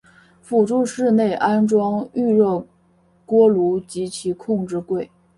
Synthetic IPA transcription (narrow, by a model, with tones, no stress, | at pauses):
fu˨˩ʈ͡ʂu˥˧ʂɻ̩˥˧ne˥˩ɪʔa˥nʈ͡ʂwɑ˥ŋy˥˧ɻɤ˥˩ | kwɔ˥lu˧˥t͡ɕi˧˥t͡ɕʰi˧˥kʰʊ˥˧ŋʈ͡ʂɻ̩˥˧kwe˥˩ɪ